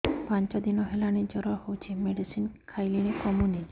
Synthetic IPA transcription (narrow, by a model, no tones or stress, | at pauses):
paɲt͡ʃɔd̪inɔɦelañid͡ʒɔɾɔhowt͡ʃʰimeɖisinkʰajlinekɔmuni